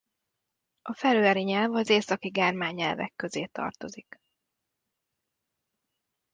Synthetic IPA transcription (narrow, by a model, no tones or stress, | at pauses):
ʔɒfɛɾøːɛɾiɲɛlvɒzeːsɒkiɡaːrmaːɲːɛlvɛ̰kːø̞zeːt̪ɒ̰rt̪o̞zik